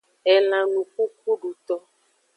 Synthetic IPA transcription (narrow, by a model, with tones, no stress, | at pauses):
ɛ˨nã˨nũ˨ku˦ku˦ɖu˨t̪ɔ˦